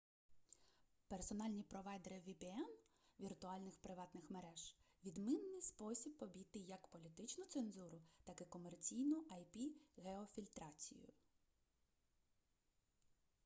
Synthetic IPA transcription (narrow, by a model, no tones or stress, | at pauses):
persɔnɑlʲnʲipɾɔʋɑjd̪eɾɪʋʲipeɛnʋʲirt̪ʊɑlʲnɪxpɾɪʋɑt̪nɪxmeɾɛʒ̥ | ʋʲid̪mɪnːɪjspɔsʲibːɔbʲijt̪ɪjɐkpɔlʲit̪ɪt͡ʃnʊt̪senzuɾʊt̪ɑkɪkɔmert͡sʲijnʊʔɐjpʲiɣeɔfʲilʲt̪ɾɑt͡sʲḭjʊ̰